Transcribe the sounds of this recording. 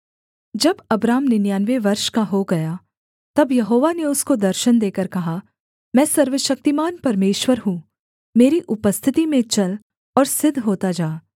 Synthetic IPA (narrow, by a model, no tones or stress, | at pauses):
d͡ʒɐbɐbɾaːmnenjaːnʋeʋɐɾʃkaɦoɡɐja | t̪ɐbjɐɦoːʋaneʊskod̪ɐɾʃənd̪eːkəɾkɐɦa | mɛ̃ːsɐɾʋəʃɐk̚t̪imaːnpɐɾmeːʃwəɾɦũ | meːɾiʔʊpəst̪ʰɪt̪imẽt͡ʃɐl | ɔːɾsɪd̪ʱːɦoːt̪ad͡ʒaː